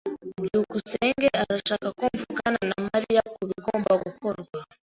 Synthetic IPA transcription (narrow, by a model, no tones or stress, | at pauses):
m̩jukusɛŋɡɛʔaɾaʃakakum̩vukananamaɾijakuβiɡɔmbakukɔɾɡwa